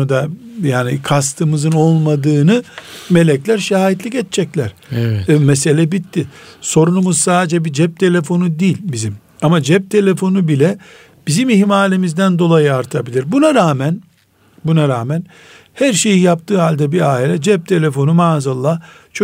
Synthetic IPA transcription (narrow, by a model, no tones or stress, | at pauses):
ud̪ajaːnikʰas̬t̪ʰɯmɯzɯno̞lˠmad̪ɯːnɯme̞lʲɛclʲæɾʃajɛt̪lʲicɛt̪̚t͡ʃʰɛclʲæɾ̥mɛse̞lʲɛbit̪ʰːiso̞ɾunumuz̥saːd̪ed͡ʒɛbid͡ʒɛp̚t̪ʰe̞lʲe̞fo̞nud̪iːlʲbizim | amad͡ʒɛp̚t̪ʰe̞lʲe̞fo̞nubilʲɛ | b̥izimiɦmaːlʲimizd̪ænd̪o̞lˠajɯaɾt̪ʰabilʲiɾbunaɾaːmæn | bunaɾaːmæn | hæɾʃe̞jijap̚t̪ʰɯːɦalʲd̪ɛbiaːilʲɛd͡ʒɛp̚t̪ʰe̞lʲe̞fo̞numaːzalˠːaht͡ʃʰ